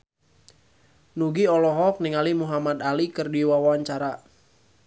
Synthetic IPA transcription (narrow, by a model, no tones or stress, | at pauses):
nuɡiɔlɔɦɔk̚niŋalimuɦamad̪alikɨrdiwawaaɲt͡ʃaɾa